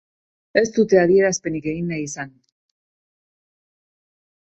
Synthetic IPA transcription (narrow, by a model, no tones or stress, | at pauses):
e̞st̪ut̪e̞aðie̞ɾaspe̞nike̞ɣinːajisan